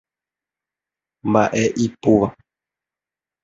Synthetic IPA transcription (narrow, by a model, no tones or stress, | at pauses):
mbaʔeʔipoʋa